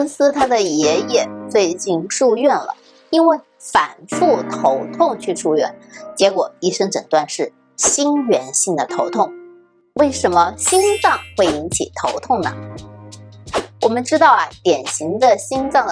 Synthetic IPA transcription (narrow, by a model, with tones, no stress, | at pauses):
nsɹ̩˥t̪ʰa˥d̪ə˨jɛ˧˥jɛ˥˩t͡swe˥˧ɪt͡ɕi˥˧nʂu˥˧ɥɛ˥˩nlə̰˩ | i˥nwe˥˩ɪ | fa˨˩nfu˥˩t̪ʰo˧˥ʊt̪ʰʊ˥˧ŋt͡ɕʰy˥˧ʂu˥˧ɥɛ̰˥˩nt͡ɕjɛ˧˥kwɔ˨˩i˥˩ʂɤ˥ŋʈ͡ʂə̰˨˩ŋt̪wa˥˧nʂɻ̩˥˩ | ɕi˥nɥɛ˧˥nɕi˥˩ŋd̪ə˩t̪ʰo˧˥ʊt̪ʰʊ˥˩ŋ | we˥˩ɪʂə˧˥nmə˧ɕi˥nt͡sɑ˥˧ŋxwe˥˩ɪi˧˥ŋt͡ɕʰḭ˨˩t̪ʰo˧˥ʊt̪ʰʊ˥˩ŋnə̰˩ | wɔ˨˩mə˦nʈ͡ʂɻ̩˥t̪ɑ˥˩ʊɐ˩t̪jɛ˨˩nɕi˧˥ŋd̪ə˧ɕi˥nt͡sɑ˥˩ŋ